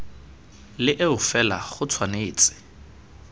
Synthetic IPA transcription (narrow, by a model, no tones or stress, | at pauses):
lɪʔeʊfɛla̰χʊt͡sʰwaneːt͡sʼɪ̥